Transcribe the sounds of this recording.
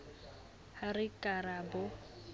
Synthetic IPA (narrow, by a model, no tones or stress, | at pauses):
harɪkʼaɾabʊ